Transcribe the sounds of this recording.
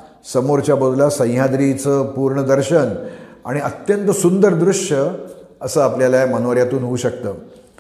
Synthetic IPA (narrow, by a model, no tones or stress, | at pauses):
səmoɾt͡ɕjabəd̪ʱlasə̃j̃jad̪ɾit͡səːpuɾɳəd̪əɾɕəna̰ɽ̃iət̪jənt̪əsund̪əɾd̪ɾuʂjə | əsəːapljaljamənoʋəɾjat̪uːnɦouːɕəkt̪əː